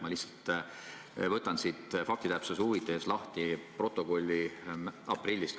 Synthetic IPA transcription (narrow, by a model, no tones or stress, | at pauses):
mɑlihsːɑ̥lt̪ | vɤt̪ːˑɑnsit̪ˑfɑk̚t̪it̪æpsesuvit̪ːˑeslɑht̪ipro̞t̪ːˑo̞ko̞lʲːiɑprilʲːist̪